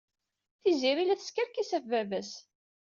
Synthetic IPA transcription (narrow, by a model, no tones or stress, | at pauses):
θiziɾilæθə̥skəɾkisæfvævæs